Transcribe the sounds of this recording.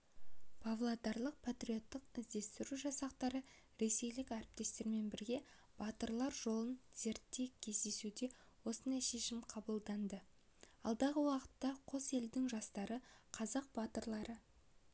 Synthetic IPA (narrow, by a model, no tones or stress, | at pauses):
pʰavlˠad̪ɑɾlˠəq̚pʰat̪rio̞t̪ːəqɪzd̪e̞st̪ɪɾuʒɑsɑqt̪ɑɾə | ɾe̞se̞jlɪkʲæɾɪp̚t̪e̞st̪e̞ɾme̞nbɪɾɡʲe̞ | b̥ɑt̪əɾlˠɑɾʒo̞lˠənz̥e̞ɾt̪ːe̞kʲʰe̞zd̪e̞sud̪e̞ | wo̞sənd̪ɑjʃe̞ʃɪmqʰɑbəlˠd̪ɑnd̪ə | ɑ̰lˠd̪ɑʁəwɑqə̥t̪ːɑqʰo̞se̞ld̪ɪŋʒɑst̪ɑɾəqʰɑzɑq̚bɑt̪əɾlˠɑɾə